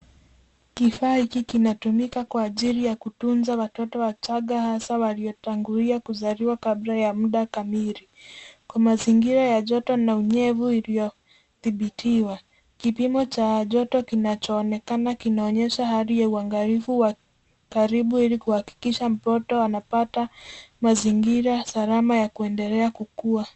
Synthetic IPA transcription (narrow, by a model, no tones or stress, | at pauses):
kifaːhikikinatumikakwaːʄiɾijakutunzawatɔtɔwat͡ʃaɠahasawaliɔtaŋɡuliakuzaɾiwakablajamuɗakamiɾikwamaziŋɡiɾajaʄɔtɔnauɲɛvuilijɔ | θiɓitʰiwa | kipimɔt͡ʃaʄɔtɔkinat͡ʃɔːnɛkanakinaɔɲɛʃahaɾijauaŋɡalifuwa | kaɾiɓuilikuhaki̥kiʃam̩pɔtɔanapatamaziŋɡiɾasaɾamajakuɛndɛlɛakukua